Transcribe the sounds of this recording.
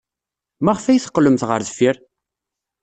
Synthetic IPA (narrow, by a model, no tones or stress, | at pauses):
mæʁfæjθə̥qːləmθʁə̰ɾðəfiɾ